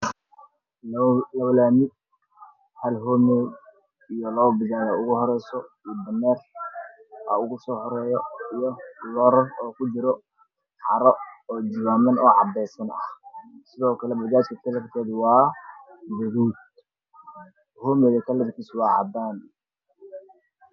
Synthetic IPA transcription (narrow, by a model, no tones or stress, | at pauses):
lɐwlaːmɪ | hɐlɦɔːmɛːd | ijɔlɔːwbɪɣaːjaʊɣʊhɔɾɛjsɔibɐnɛːr | ɐ̰ʊɣʊsɔːhɔɾɛːjɔijɔlɔɾɔrɔːkʰʊd͡ʒɪɾɔ | ʕɑ̰ɾɔɔːd͡ʒɪwaːmɐnɔːʕɑbɛːsɐnɐ̰hsɪðɔːkʰɐlɛbɐɣaːt͡ʃkʰɐkʰɐlɐrt̪ʰɛːðwɑː | bɛɾuːd̪̚ | hɔːmɛːɣɐkʰɐlɐɾkʰiːswɑːʕɑ̰daːn